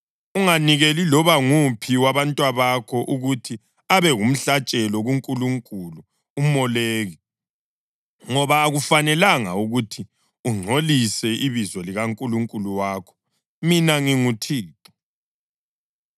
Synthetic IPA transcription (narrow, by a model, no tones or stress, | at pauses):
uŋaniɣelilɔβaŋupʰiwaβantʼwaβakʰɔʔuɣutʰi | aβɛɣum̩ɬat͡ʃʼɛlɔɣuŋkʼuluŋkʼulu | umɔleːɣɛ | ŋɔβaːɣufanɛlaŋa̰uɣutʰi | uŋ͡ǀʱolisɛʔiβizwɔliɣaŋkʼuluŋkʼuluwaːkʰɔ̥ | minaŋiŋutʰiːǁɔ̥